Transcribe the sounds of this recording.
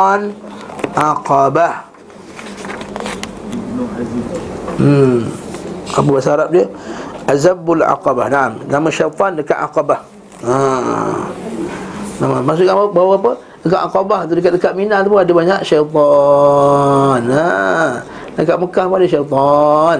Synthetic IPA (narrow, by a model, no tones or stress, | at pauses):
nʔaqabah | ʔapəbasaaɾap̚diəʔazabala̰qɑbahnaʔamnamaʃajt̪ˤɔndəka̰ʔa̰qabah | a | namamaʔs̬uʔkaəbawapə | dəkaʔaqɔbaht̪̬udəkat̪̚dəkaʔ̚minaat̪ap̬ʊadəbaɲaʔʃajt̪ˤɔ | na | dəkaʔməkahpaadəʃajt̪ɔn